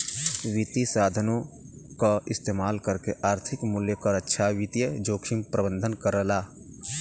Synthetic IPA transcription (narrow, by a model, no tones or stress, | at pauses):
ʋit̪isaːd̪ʱənõ | kaɪst̪eːmaːlkəɾkeʔaːɾt̪ʰɪkmʊljəkəɾətːʃʰawɪt̪ijəd͡ʒoːkʃɪmpɾəbə̃nd̪ʱənkəɾəlaː